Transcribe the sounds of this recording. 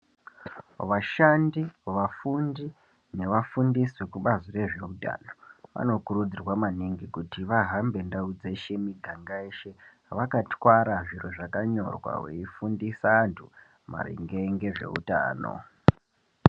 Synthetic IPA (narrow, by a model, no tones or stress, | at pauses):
ʋaʃandiʋafundi | ne̞ʋafundiswekuɓazore̞ʐe̞uta̰no̞ʋa̰no̞kuɾud͡zirwamaniŋɡikutiʋaɦambe̞ndaud͡ze̞ʃe̞miɡʱaŋɡaeʃe | ʋakatwaɾaʐiroʐakaɲo̞̰rwa̰wḛifundisaːntʰu | ma̰rḭŋɡe̞ŋɡe̞ʐe̞̰ṵta̰ːno̰